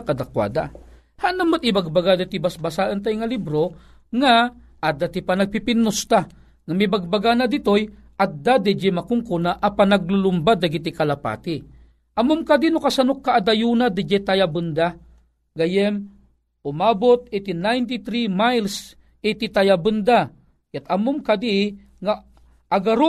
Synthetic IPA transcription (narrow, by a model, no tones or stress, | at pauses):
kad̪akwa̰ːd̪a | haʔnamot̪ɪbaɡ̚baɡad̪ɪt̪ibasbasaʔənt̪̬ajŋalibɾo | ŋa | ʔad̪at̪ipanɐɡ̚pipɪnːʊst̪a | ŋamibaɡ̚baɡanad̪ɪt̪oj | ʔad̪ad̪ɛd͡ʒɛmakʊŋkunaʔapanɐɡ̚lʊlʊmbad̪aɡit̪ikalapa̰t̪i | ʔamʊmkad̪inʊkasanʊkːaʔːd̪ajunad̪ɪd͡ʒɛt̪ajabɨnd̪a | ɡajɛm | ʊmabʊt̪̚et̪inajnt̪it̪ɾimajls | it̪it̪ajabɨnd̪a | kat̪amʊmkad̪i | ŋaː | ɡaɾʊ